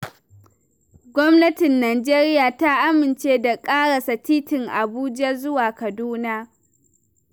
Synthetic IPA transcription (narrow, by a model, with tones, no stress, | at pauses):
ɡʷɔ˦mnɐ˦tɪ˨nːaː˨d͡ʒeː˦ɾɪ˦jaː˨ta˦ʔa˦mɪ˨nt͡ʃeː˦da˨kʼaː˦ɽa˨sɐ˨tiː˦tɪ˨ŋʔa˨buː˦d͡ʒɐ˦zʊ˦waː˨kɐ˨duː˦na˦